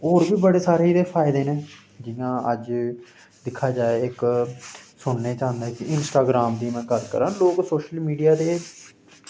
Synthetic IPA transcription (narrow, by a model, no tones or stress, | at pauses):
oːɾbiːbəɽeːsaːɾeid̪eːpʰaːɪd̪eːnẽː | d͡ʒɪjãːəd͡ʒ | d̪ɪkʰːaːd͡ʒaːeɪk | sʊɳːeːt͡ʃãːnd̪eːkiɪnsʈaːɡɾaːmd̪iːmɛ̃ːkəɾkə̰ɾãːloːksoːʃəlmiːɖijaːd̪eː